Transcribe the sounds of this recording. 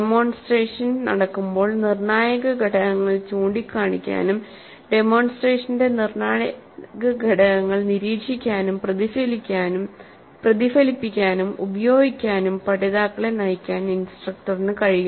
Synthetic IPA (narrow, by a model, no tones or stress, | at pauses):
emo̞ːnsʈreːʂɐnnɐ̰ɽɐkːumbo̞ːɭnirɳaːjɐɣɐɡʱɐɽɐɣɐŋːɐɭt͡ɕuːɳɖikːaːɳikʲːa̰ːnum | ɖe̞mo̞ːnsʈreːʂɐnde̞nirɳaːjɐɡɐɡʱɐɽɐɣɐŋːɐɭniɾiːkʂikʲːaːnumprɐðifɐlikʲːaːnum | prɐðifɐlipːikʲːaːnumubɐjo̞ːɡikʲːaːnumpɐɽiðaːkːɐɭe̞nɐjkʲːaːninsʈrɐk̚ʈɐrnɨkɐɻiju